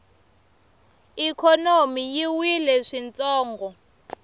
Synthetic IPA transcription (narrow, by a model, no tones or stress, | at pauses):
ikʰɔnomijiwilɛʂint͡sʼɔːŋɡɔ